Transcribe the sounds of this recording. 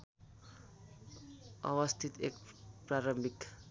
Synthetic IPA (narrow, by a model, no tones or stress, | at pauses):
ʌ̰wʌst̪ʰit̪ekpraɾʌmbʱik